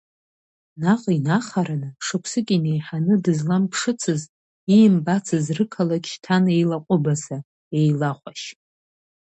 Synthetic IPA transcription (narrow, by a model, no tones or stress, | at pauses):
naqʼinaχaɾanɨʂɨkʷʰsɨkʲʼinejħanɨdɨzlampʰʂɨt͡sʰɨz | imbat͡sʰɨzrɨkʰalakʲʃtʰane̞jlaqʷʼʊbaza | e̞jlaχʷʼaʃ